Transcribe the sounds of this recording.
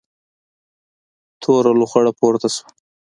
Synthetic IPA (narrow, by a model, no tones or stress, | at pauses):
t̪ʰoɾaluxaɽapoɾt̪asu̥